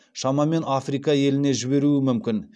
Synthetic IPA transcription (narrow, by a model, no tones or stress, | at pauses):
ʃɑmɑme̞nafrijkɑje̞lɪne̞ʒɪβe̞ɾuɪmʏmkʲɪn